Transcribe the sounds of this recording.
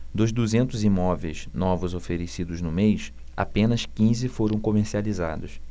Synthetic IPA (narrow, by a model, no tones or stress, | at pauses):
d̪ʊzd̪uzẽnt̪ʊzimɔvejznɔvʊzofeɾesid̪ʊznʊmejʃ | a̰pẽnɐskĩzɪfoɾɐ̃w̃komeɾsializa̰d̪ʊs